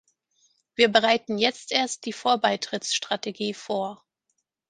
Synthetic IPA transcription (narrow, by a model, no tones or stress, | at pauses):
viːɐbəʁaɪtn̩jɛt͡stʔeːɐst̚d̥iːfoːɐbaɪtʁ̥ɪt͡sʃtʁ̥ateɡiːfoːɐ